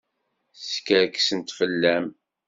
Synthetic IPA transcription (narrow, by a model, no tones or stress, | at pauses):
skəɾksənt̪fəlːæm